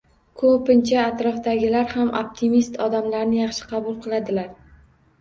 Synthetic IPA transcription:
kʰopɪnt͡ʃʰaːt̪ɾɒfd̪aɡʲɪlaɾhamʔo̰p̚t̪ʰimist̪ʰɒd̪amlaɾnɪjɑχʃɪ̥qʰɑbʊlˠqʰɨlˠad̪ɪlaɾ

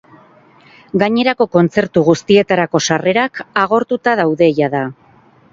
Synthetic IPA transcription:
ɡaɲe̞ɾako̞ko̞nt͡se̞ɾt̪uɣust̪ie̞t̪aɾako̞sare̞ɾakaɣ̞o̞ɾt̪ut̪að̞awðe̞jaða

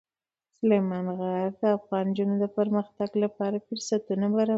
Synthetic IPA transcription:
sʊlemɑnɣaɾd̪əafɣɑnd͡ʒunod̪əpəɾməxt̪aɡlapɑɾafəɾsat̪unabaɾɑ

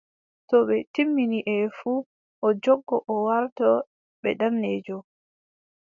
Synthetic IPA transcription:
tɔɓɛtimːiniʔɛfuː | ʔɔd͡ʒɔɡːɔʔɔwaɾtɔ | ɓɛ̰ɗamnɛːd͡ʒɔ

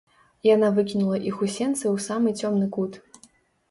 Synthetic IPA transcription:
janavɨkʲinulˠɐʔixusʲɛnt̪sɨwsamɨt͡sʲɔmnɨkut̪

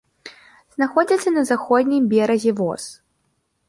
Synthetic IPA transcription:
z̥naxɔd͡zʲɐt̪sːɐnɐzaxɔd̪ʲnʲijbʲɛɾɐzʲɛvɔ̰s

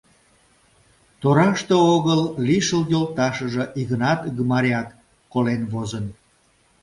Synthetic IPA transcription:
t̪oɾɑʃt̪ooɣəlliʃəljolt̪ɑʃəʒəʔiɣənɑt̪ɡəmɑɾʲɑt̪ | kolenβozən

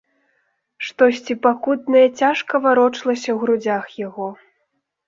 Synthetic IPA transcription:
ʂt̪ɔsʲt͡sʲipakut̪̚nɐjɐt͡sʲaʂkɐvaɾɔt͡ʂlˠɐsʲɐwɣɾud͡zʲaxjaɣɔ

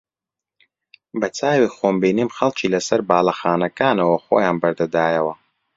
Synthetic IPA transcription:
bɐt͡sʰaːwixoːmbinimxɐlˠt͡ʃʰiːlɐsɐɾbaːlɐxaːnɐkaːnɐwɐχo̰jaːnbɐɾd̪ɐd̪aːjɐwɐ

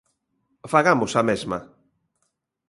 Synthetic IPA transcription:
faɣamʊsamezma

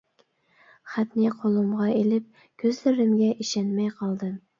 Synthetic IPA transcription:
χæt̪nɪqʰolˠumʁɑelɪp̚ | kʲʰøzlɪɾɪmɡʲɛʔiʃɛnmɛjqʰɑlˠd̪ɨm

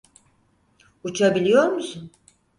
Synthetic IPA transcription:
ut͡ʃʰabilʲijo̞ɾmusun

